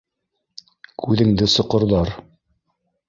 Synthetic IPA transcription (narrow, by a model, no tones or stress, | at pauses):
kʰʉðɘ̆ŋd̪ɘsŏqɤ̆ɾðɑɾ